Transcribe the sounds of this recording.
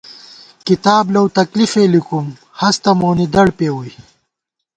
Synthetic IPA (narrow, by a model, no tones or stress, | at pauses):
kit̪aːblɐwt̪ɐklifelikum | hɐst̪ɐmoːnid̪ɐɽpeːwui